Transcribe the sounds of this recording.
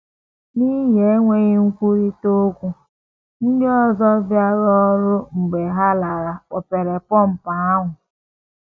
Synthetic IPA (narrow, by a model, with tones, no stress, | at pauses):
ni˦ɦe˨˦ŋʷe˦ɣi˦ŋ̩˦kʷu˦ɾi˦to˦kʷu˦ | n̩˦dɪ˦ɔ˦˨zɔ˦vja˦ɾɔ˦ɾʊ˦ŋ͡m̩˨ɡ͡be˨ɦa˦la˨ɾa˨k͡pɔ˨pe˨ɾe˨pɔ˦m̩˨pa˨a˦ɦʊ˨